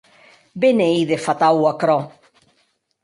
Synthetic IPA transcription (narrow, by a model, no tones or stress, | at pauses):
beneiðefat̪awakɾɔ